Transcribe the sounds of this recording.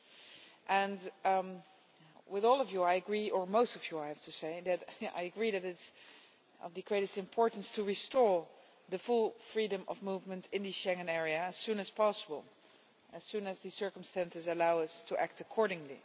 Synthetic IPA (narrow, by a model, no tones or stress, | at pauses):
ʔɨ̃n | wɪðɔlˠʌvjuajɨɡɹiə˞moʊstʌvjuaɪhæftʰuseɪðɨta̰ɪɨɡɹiðɨɾɪts | ʌ̰vðɨɡɹeɪɾɨstɨ̃mpʰɔɹtn̩stʰɨɹistɔɹ | ðɨfʊlˠfɹidɾə̃mʔʌ̰vmuvmə̃ntɪ̃nðiʃɛ̃ŋɨ̃nɛɹiɨːz̥sũnɨz̥pʰɑsəbəl̩ˠ | ɨz̥sũnɨzðɨsɜ˞kəm̩stæ̃nsɨzəlaʊʌstʰəʔæk̚təkʰɔɹɾɪ̃ŋlḭ